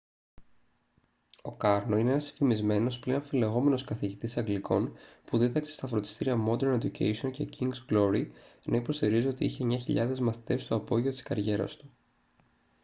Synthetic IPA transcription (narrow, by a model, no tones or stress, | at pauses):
o̞kɐɾno̞ine̞enɐsi̥fimizme̞no̞splinoofile̞ɣo̞me̞no̞skɐθiʝit̪isɐŋɡlikʰo̞npuðit̪ɐksest̪ɐfɾot̪i̥st̪iɾiɐmo̞d̪e̞ɾned̪ucḛjsio̞nce̞ciŋɡzɡlo̞ɾinʔɐipo̞st̪iɾiziot̪ḭiçe̞ɲɐçiʎɐðe̞zmɐθi̥t̪e̞st̪oɐpo̞ʝiot̪iskɐɾʝe̞ɾɐ̰st̪u̥